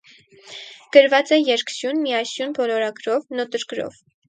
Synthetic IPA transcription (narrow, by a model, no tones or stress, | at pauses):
ɡ̥əɾvɑt͡sɛjɛɾksjunmiɑsjunbɔlɔɾɑɡɾɔvnɔt̪əɾkɾɔ̰v